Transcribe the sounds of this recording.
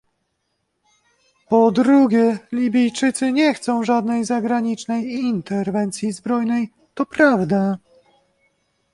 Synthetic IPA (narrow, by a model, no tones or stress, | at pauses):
pɔd̪ɾuɡʲɛlʲibʲijt͡ʂɘt̪sɘɲɛxt̪sɔ̃w̃ʐad̪nɛjzaɡɾaɲit͡ʂnɛjint̪ɛɾvɛnt̪sʲjizbɾɔjnɛj | t̪ɔpɾavd̪a